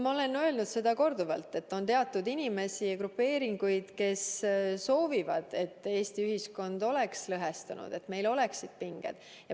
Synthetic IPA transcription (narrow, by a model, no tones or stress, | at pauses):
mɑo̞le̞nø̞lnud̪̥se̞d̪̥ɑko̞rd̪uvɑlt̪ːe̞t̪ːo̞nt̪e̞ɑt̪ːˑud̪inime̞siɑkɾupːe̞ːɾiŋɡ̥ujd̪̥ke̞sso̞ːvivɑd̪̥e̞t̪ːe̞ːst̪iyɦisko̞nd̪̥o̞le̞kslɤɦest̪ɑnṵd̪̥e̞t̪me̞jlo̞le̞ksid̪̥̚piŋɡ̥ḛd̪̥ | jɑ